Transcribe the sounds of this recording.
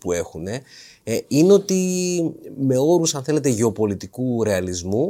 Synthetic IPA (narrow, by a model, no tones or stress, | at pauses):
pue̞xune̞ | ineo̞t̪i | me̞o̞ɾusɐnθe̞le̞t̪e̞ʝe̞opo̞lit̪ikuɾe̞ɐlizmu